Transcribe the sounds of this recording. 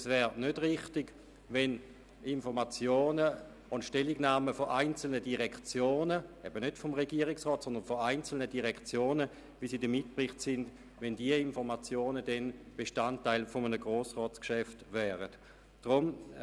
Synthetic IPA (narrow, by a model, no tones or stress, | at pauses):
svɛːʁnødʁɪχtɪɡ | vɛn | ɪnfɔʁmat͡sjoːnə | ʊntʃtɛliɡnaːməfɔʔaɪnt͡sl̩nədiʁɛkt͡sjoːnəʔɛbənøtfɔmʁeɡiəʁɪksʁɔːtsɔnd̪ənfɔaɪnt͡sl̩nədiʁɛkt͡sjoːnə | visiːdəmɪt̚pʁɪχtsɪnd | vɛndiəinfɔʁmat͡sjoːnədɛnb̥eʃtantːaɪlfɔmənəɡʁoːsʁɔːtt͡skʃɛftvɛːʁət | d̥ʁʊm